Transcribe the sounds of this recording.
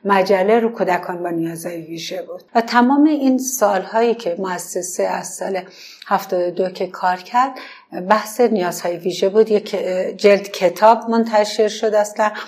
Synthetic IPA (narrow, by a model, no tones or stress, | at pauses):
mæd͡ʒælːeɾukʰuːd̪ækʰɒːnbɒːnijɒːzhɒːjeviːʒebuːd̥̪væt̪ʰæmɒːmeinsɒːlhɒːjiːcʰe̞moæsːeseæzsɒːle̞ | hæft̪ɒːd̪od̪ocʰe̞kʰɒːɾcʰæɾd̪ | bæhse̞nijɒːz̥hɒːjeviːʒebuːd̪jekʰd͡ʒeld̪cʰet̪ʰɒːbmont̪ʰæʃe̞ɾʃod̪æslæn